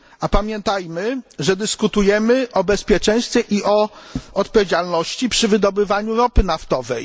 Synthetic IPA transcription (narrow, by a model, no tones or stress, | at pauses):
apamʲjɛnt̪ajmɘʐɛd̪ɘskut̪ujɛmɘʔɔbɛspʲjɛt͡ʂɛ̃j̃st̪fʲjɛʔiʔɔɔt̪pɔvʲjed͡ʑalnɔɕt͡ɕipʂɘvɘd̪ɔbɘvaɲuɾɔpɘnaft̪ɔvɛj